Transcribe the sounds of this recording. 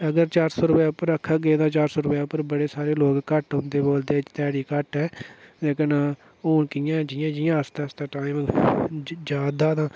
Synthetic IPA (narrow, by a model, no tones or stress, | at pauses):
əɡəɾt͡ʃaːɾsoːɾʊpɛːʊpːəɾəkʰːaːɡeːd̪ãːt͡ʃaːɾsoːɾʊpɛːʊpːəɾbəɽeːsaːɾeːloːɡkəʈʊ̃nd̪eːboːld̪eːt͡ʃt̪ɛːɽiːkəʈɛːeːkənaː | oːnkijãːd͡ʒɪjãːd͡ʒɪjãːəst̪ãːst̪aːʈaːɪm | d͡ʒaːd̪aːd̪ãː